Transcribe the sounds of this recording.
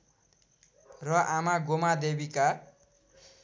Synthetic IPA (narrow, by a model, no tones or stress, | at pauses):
rʌʔamaɡomad̪ebika